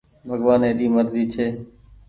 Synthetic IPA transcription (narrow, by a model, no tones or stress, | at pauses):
bʱəɡʋaːnẽːɗiːməɾziːt͡ʃʰeː